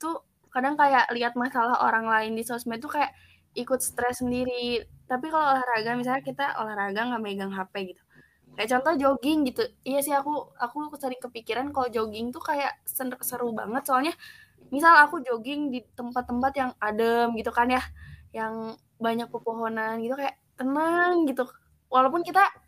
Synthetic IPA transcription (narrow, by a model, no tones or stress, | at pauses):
t̪u | kadaŋkajaʔliɦat̪̚masalaho̰ɾaŋlaɪndisosmɛt̪t̪ːukajaʔ | ikʊt̪̚sə̥t̪ɾɛsːəndiɾit̪apikaloolahɾaɡamis̬alɲakit̪aʔo̰lahɾaɡaŋɡaʔmaiɡaŋɦapɛɡit̪u̥ | kajaʔt͡ʃɔnt̪ɔhd͡ʒoɡɪŋɡit̪uijasɪɦakuakusəɾɪŋkəpikiɾankalod͡ʒoɡɪŋt̪ukajaʔsənkəsəɾuba̰ŋət̪soalɲa | misalakud͡ʒoɡɪŋdit̪əmpat̪ːəmpat̪jaŋadəmɡit̪ukanjahjaŋ | baɲak̚pəpoɦonanɡit̪ukajaʔ | t̪ənəŋɡit̪u | walawpʊnkit̪a